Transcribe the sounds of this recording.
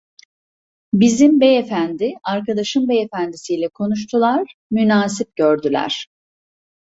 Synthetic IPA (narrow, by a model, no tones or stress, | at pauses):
bizimbeefænd̪iaɾkad̪aʃɯmbeefænd̪isiːlʲɛkʰo̞nuʃ̬t̪ʰulˠaɾmynaːsip̚ɟøɾd̪ylʲæ̰ɾ̥